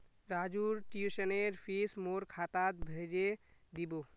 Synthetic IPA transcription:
ɾad͡ʒuɾʈiusəneɾpʰismoɾkʰat̪at̪bʱed͡ʒed̪ibo

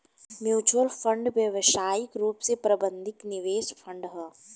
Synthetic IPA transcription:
mjuːt͡ʃuwəlfʰə̃ɳɖʋjəʋʃaːjɪkɾuːpsepɾɐbə̃nd̪ʱɪknɪʋeːʃpʰə̃ɳɖɦɛː

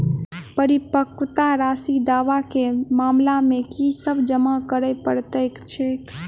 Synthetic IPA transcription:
pəɾipəkt̪aɾasid̪aʋakemamlamẽkisəbd͡ʒəmakəɾəpəɾt̪əjkt͡ʃʰe

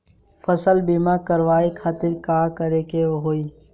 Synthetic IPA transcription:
fəsəlbimakəɾʋaːikʰaːt̪ɪɾkaːkəɾekeoɦoːiː

